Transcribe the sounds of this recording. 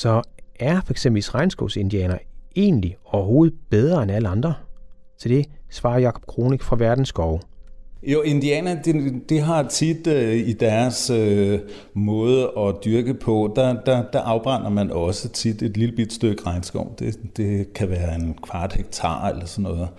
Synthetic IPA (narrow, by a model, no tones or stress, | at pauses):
sɒ̽æɐfɒ̽eɡ̥semb̥l̩isʁɑɪnsɡ̥ɔʊse̝nd̥iɛ̰ːnɐe̝̰ːnliɒʊɐɦo̝ːð̩ˠb̥eð̞ˠʁɐenæləɑ̈nd̥ʁɐ | t͡sʰed̥e̝sʋɑ̈ːjɑ̈kʰɒ̽b̥kʰʁo̝ːniɡ̥fʁɑ̈ʋæɐd̥n̩sɡ̥ɒʊjoe̝nd̥iɛːnɐd̥id̥iɦɑ̈t͡sʰid̥id̥æɐsø | mɔ̽ːð̞ˠəɒ̽d̥yɐɡ̥əpʰɒ̽d̥ad̥ɑd̥ɑʔɑ̈ʊb̥ʁɑn̰ɐmænɒ̽sət͡sʰid̥e̝d̥liləb̥id̥sd̥øɡ̥ə̥ʁɑ̈ɪnsɡ̥ɒʊ̰d̥e̝d̥e̝kʰæʋæːɐe̝nkʰʋɑ̈ːd̥heɡ̥̚t͡sʰɑ̰̈ːelɐsɒnːɔ̽ːð̩ˠ